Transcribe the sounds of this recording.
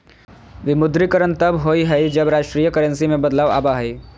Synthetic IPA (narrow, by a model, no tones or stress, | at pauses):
ʋɪmʊd̪ɾikəɾənt̪ɐbɦoːiɦɛid͡ʒəbɾaːʃʈɾijəkəɾə̃nsimẽbəd̪laːʋa̰ːbaɦɛɪ